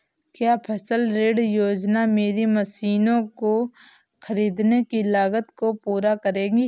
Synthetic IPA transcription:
kjaːpʰɐsəlɾeːɖjoːd͡ʒnameːɾiməsiːnõkoxɐɾiːd̪nekilaːɡət̪kopuːɾakəɾẽːɡiː

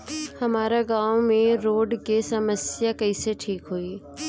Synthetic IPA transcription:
hɐmaːɾaɡaːʋmẽɾoːɖkesɐməsjakəiseʈʰiːkɦoːiː

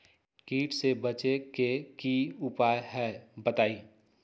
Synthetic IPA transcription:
kiːʈsebət͡ʃekekiʊpaːjɦɛbət̪aːiː

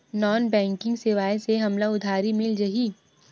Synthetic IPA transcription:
nɔːnbɛ̃ːŋkɪ̃ŋɡseʋaːeseɦɐmlaʊd̪ʱaːɾimɪld͡ʒɐɦiː

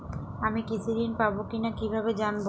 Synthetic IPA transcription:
amikit͡ɕʰud̪inpabokinakibʱabed͡ʑanbo

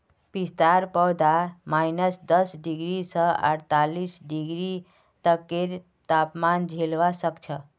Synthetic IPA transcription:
pist̪aɾpəwd̪amajnəsd̪əsɖiɡɾisə̃ə̰ɾt̪alisɖiɡɾi | t̪əkːeɾ | t̪apmand͡ʒʱelʋasəkt͡ʃʰə

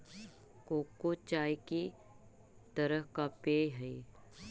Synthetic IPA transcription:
koːkːot͡ʃaːjki | t̪əɾəɦkapeːɦɐi

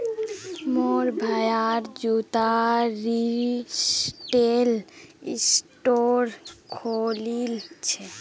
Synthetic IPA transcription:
moɾbʱajaɾd͡ʒut̪aɾisʈelisʈoɾkʰolilt͡ɕʰe

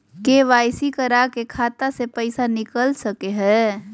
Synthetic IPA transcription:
keʋajsikəɾakekʰat̪asepəɪsanikəlsəkeɦɛ

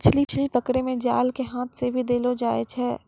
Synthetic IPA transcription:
t͡ʃʰlit͡ʃʰlipəkɽemẽd͡ʒaːlkeɦãːt̪ʰsebʱid̪eːlod͡ʒaːet͡ʃʰɛː

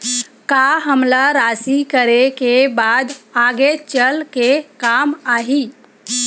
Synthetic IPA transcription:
kaɦəmlaɾasikəɾekebad̪aɡet͡ʃəlkekamaɦi

